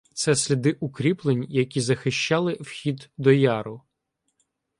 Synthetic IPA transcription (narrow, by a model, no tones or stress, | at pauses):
t̪sɛsʲlʲid̪ɪʔukɾʲiplˠenʲjɐkʲizɐxɪʃt͡ʃɑlˠɪwxʲid̪ːɔjɑɾʊ